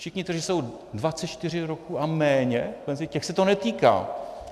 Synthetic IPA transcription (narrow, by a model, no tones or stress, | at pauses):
fʃɪxɲɪt̪rʒɪso̞w | dvat͡sɛt̪t͡ʃt̪ɪr̝ɪɾokuːʔamɛːɲɛkɛnscɛxsɛt̪onɛt̪iːka̰ː